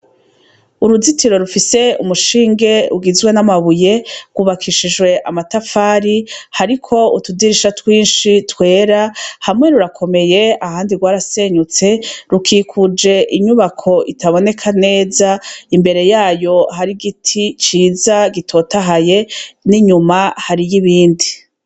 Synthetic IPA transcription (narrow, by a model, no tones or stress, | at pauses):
uɾuzitiɾo̞ɾufise̞umuʃiːŋɡe̞uɡizɡwe̞namaβuje̞ɡ̥wuβakʰiʃiʒɡwe̞ʔamatafaːɾihaɾikʰo̞utudiɾiʃatwiːnʃitwe̞ːɾahamŋe̞ɾuɾakʰo̞me̞je̞ahaːndiɡwaːɾase̞ɲut͡se̞ɾukʰikʰud͡ʒe̞ʔiɲuβakʰo̞ʔitaβo̞ne̞kʰane̞ːzaimbe̞ɾe̞jaːjo̞haɾiɡitʰit͡ʃiːzaɡitʰo̞taɦaje̞niɲumahaɾijiβiːndi